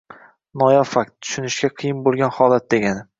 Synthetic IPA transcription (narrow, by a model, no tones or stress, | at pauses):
nɒjɒfak̚t̪ːʰʊ̥ʃʊnɪʃɡʲaqʰɨjɪnbolˠɡʲanhɒlˠat̪̚d̪e̞ɡʲanɪ